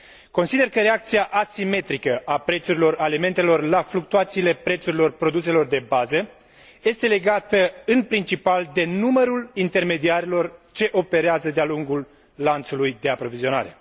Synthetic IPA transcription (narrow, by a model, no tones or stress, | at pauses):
ko̞nsid̪e̞rkəɾe̞ak̚t̪siaʔasime̞t̪ɾikəʔapɾe̞t̪suɾilo̞ɾalime̞nt̪e̞lo̞rlafluk̚t̪uat̪siːle̞pɾe̞t̪suɾilo̞rpɾo̞d̪use̞lo̞rd̪e̞bazə | je̞st̪e̞le̞ɡat̪əɨnpɾint͡ʃipald̪e̞numəɾulint̪e̞rme̞d̪iaɾelo̞rt͡ʃe̞ʔo̞pe̞ɾeazəd̪ealuŋɡulː | ant̪sulujd̪e̞apɾo̞vizio̞na̰ɾe̞